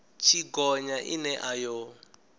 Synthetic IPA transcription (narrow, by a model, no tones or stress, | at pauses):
t͡ʃʰiɡɔɲaʔḭnɛʔajo